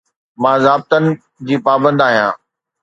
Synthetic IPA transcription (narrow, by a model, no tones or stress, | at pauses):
mãːzaːb̚t̪ənɪ̆ | d͡ʑiːpaːbə̃nd̪aːɦijãː